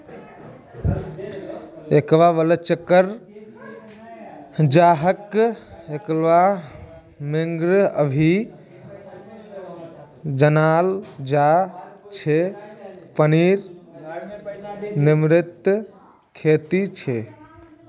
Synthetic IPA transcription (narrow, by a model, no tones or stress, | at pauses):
ekʋaʋələt͡ʃəkːəɾ | d͡ʒaɦəkeklʋa | meŋɡɾəbʱi | d͡ʒənaːld͡ʒat͡ʃʰe | pəniɾ | nimɾɪt̪ | kʰet̪it͡ʃʰe